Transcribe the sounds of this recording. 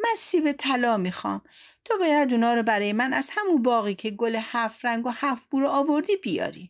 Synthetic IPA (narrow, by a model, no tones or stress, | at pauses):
mænsiːvet̪ʰælɒːmixɒ̰ːmt̪ʰobɒjæd̪unɒːɾobæɾɒːjemænæz̥hæmunbɒːɣiːcʰeɡolehæfɾæŋɡohæfb̥uɾoːvoɾd̪iːbijɒ̰ːɾḭ